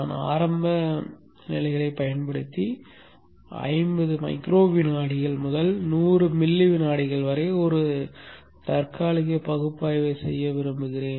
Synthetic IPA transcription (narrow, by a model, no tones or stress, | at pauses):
aːna̰ːɾɐmbɐ | nɪ̰lɐɪɣɐɾɐɪpɐjɐnpɐɽɯt̪ːi | ɐ̰ɪmbɐðɯmɐ̰ɪkɾoːʋɪnaːɽɪɣɐɭmʊðɐlnuːrɯmɪlːɪʋɪnaːɽɪɣɐɭʋɐɾeːɔɾɯ | t̪ɐɾkaːɭɪɣɯpɐɣɯpːaːjʋeːsɛ̰jːɐʋɪɾɯmbɯɣɪɾeːn